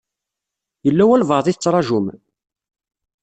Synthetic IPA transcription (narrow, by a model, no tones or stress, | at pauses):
jəlːæwælvəðˤiθət͡sːɾˤɑʒʊm